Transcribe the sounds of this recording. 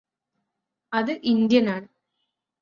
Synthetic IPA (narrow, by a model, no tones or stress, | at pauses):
ɐðɨʔind̪jɐnaːɳɨ